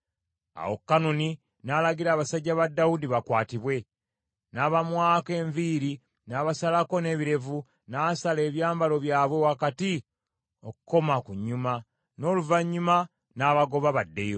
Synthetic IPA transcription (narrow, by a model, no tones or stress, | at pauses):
a̰wokːanoni | naːlaɡiɾaːβasaɟːaβadːawudiβakwaːtiβwe̞ | naːβamwaːke̞ːɱviːɾi | naːβasalako̞ne̞ːβiɾe̞vu | naːsale̞ːβjaːmbalo̞βjaːβwe̞wakati | okuko̞makuɲːuma | no̞ːluvaɲːuma | naːβaɡo̞βaβadːe̞jo